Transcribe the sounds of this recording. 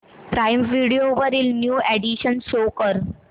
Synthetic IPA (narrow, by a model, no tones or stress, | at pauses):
pɾajmʋiɽioʋəɾilnjuːeɖiɕənʃokəɾ